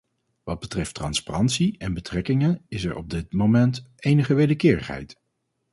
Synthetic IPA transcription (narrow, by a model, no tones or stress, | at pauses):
ʋɑd̚bətrɛftrɑnsparɑntsiɛnbətrɛkɪŋənɪsɛɹʔɔ̰b̚dɪtmowmɛntejnəχəʋejdəɹkɪːɹəχɦɛ̰jt